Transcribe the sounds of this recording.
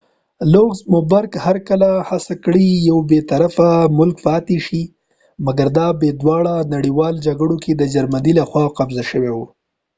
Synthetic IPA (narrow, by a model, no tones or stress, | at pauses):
loɡzmʊbaɾkhaɾkəlahasakɽijawbet̪aɾafamʊlk̚pɑt̪eʃi | maɡaɾd̪ɑbed̪wɑɽanaɽiwɑld͡ʒaɡɽokʰed̪əd͡ʒaɾmanilaxwɑqabzaʃəwewu